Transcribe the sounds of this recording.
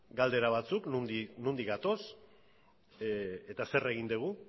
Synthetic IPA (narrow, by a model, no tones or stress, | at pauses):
ɡald̪e̞ɾaβ̞at͡suknuinund̪ikɡat̪o̞s | et̪ase̞re̞ɣ̞ind̪eɣ̞u